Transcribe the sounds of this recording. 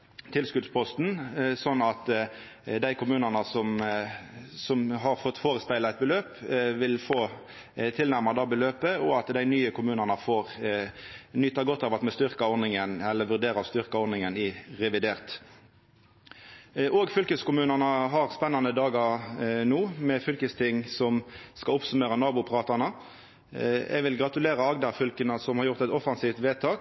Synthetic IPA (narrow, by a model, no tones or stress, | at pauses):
t̪ʰɪlskʉd̪spʰɔst̪n̩sɔnːɑt̪ | d̪æɪkʰʊmʉːnənəsɔm | sɔmɦɑɾfɔt̪ːfoːɾəspæɪlɑæɪt̪̚bəløːpʋɪlfoː | t̪ʰɪlnæɾmɑd̪ɑːbəløːpəɔɑt̪d̪æɪnyːəkʰʊmʉːnənəfoːɾ | nʏt̪ːɑɡɔt̪ːɑːʋɑt̪mɛst̪ʏɾkɑɔɾnɪŋənɛlːəʋʉʁd̪eːɾɑst̪ʏʁkɑɔɾnɪŋənɪʁɛʋɪd̪eːʁt̪ | ʔoːɡfʏlkəskʊmʉːnənəɦɑʁspɛnːɑnəd̪ɑːɡɑʁnuːmɛfʏlkəst̪ʰɪŋːsɔmskɑʊpsʉmeːɾənɑːbʊpʰʁɑːt̪ɑnə | ɛ̰ɡʋɪlɡʁɑt̪ʉleːʁəɑɡd̪ɑɾfʏlkənəsɔmhɑɾʁjʊʁt̪ɛt̪ɔfɑnsiːft̪ʋeːt̪ʰɑːk